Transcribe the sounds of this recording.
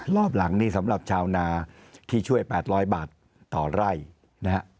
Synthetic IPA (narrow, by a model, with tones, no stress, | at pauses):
ɾɔː˥˩p̬̚la˩˦ŋniː˥˩sa˩˦mɾa˨˩p̚t͡ɕʰaː˧wnaː˧ | t̪ʰiː˥˩t͡ɕʰu˥˩əjpɛː˨˩t̪̚ɾɔː˦˥jbaː˨˩t̪̚ː | ɔː˨˩ɾa˥˩j | na˦˥ha˦˥ʔ